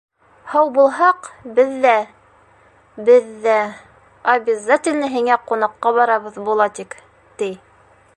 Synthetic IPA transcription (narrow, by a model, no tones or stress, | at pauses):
hɑwbulˠɦɑqbɘðːæ | bɘðːæ | ɐbʲɪzat̪ʲɪlʲnɘɦiŋæqunɑqːɑβɑɾɑβɤðbulˠɑt̪ik | t̪ij